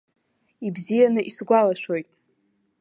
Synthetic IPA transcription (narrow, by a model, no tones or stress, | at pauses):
ibzijanɨʔisɡʷalaʃᶣojtʼ